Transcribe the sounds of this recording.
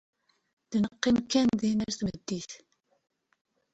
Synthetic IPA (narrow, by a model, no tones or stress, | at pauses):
ð̥nəqːimkːænðinæɾθməd̪ːiθ